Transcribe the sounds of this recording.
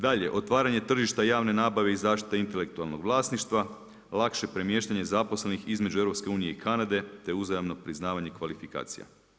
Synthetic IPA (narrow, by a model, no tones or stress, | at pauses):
d̪aʎe̞̰ʔo̞t̪ʋaːɾaɲe̞t̪r̩ʒiʃt̪ajaːʋne̞naːbaʋeizaːʃt̪i̥t̪eint̪e̞le̞k̚t̪ualˠno̞ɡʋlˠaːsniʃt̪ʋa | lˠakʃe̞pɾe̞mje̞ːʃt̪aɲe̞zapo̞sle̞nixizme̞d͡ʒueɾo̞pske̞uːnije̞ikʰanad̪e̞t̪e̞uzajamno̞pɾiznaːʋaɲe̞kʋalifika̰ːt̪sija̰